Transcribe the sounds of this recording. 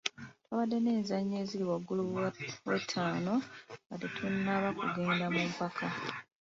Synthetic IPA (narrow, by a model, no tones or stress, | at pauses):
twaβadːe̞ne̞ːnzaɲːe̞ːziliwaɡːuluwḛtʰːaːno̞atetʰunːaβakṵɡe̞ːndamumpakʰa